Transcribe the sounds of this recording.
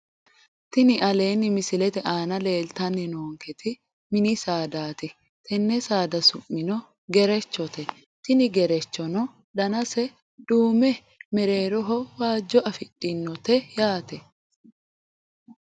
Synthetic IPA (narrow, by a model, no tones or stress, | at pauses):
t̪ɪnɪʔɐleːnːɪmɪsɪlɛt̪ɛʔaːnɐle̞ːlt̪ɐnːɪnoːŋkɛt̪ʰɪ | mɪnɪsaːd̪aːt̪ɪ | t̪ʰɛnːɛsaːd̪ɐsʊmːɪnɔ | ɡɛɾɛt͡ʃːɔt̪ɛ | t̪ɪnɪɡɛɾɛt͡ʃːɔnɔ | d̪ɐnɐsɛ | d̪̥uːmɛ | mɛɾe̞ːɾɔɦɔwaːd͡ʒːɔʔɐfɪtʼːɪnːɔt̪ɛjaːt̪ɛ